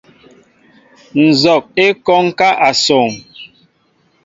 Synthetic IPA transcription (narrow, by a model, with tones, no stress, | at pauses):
n̩˨zɔ˨k̚e˦kɔ˦ŋ˦ka˦ʔa˨so˨ŋ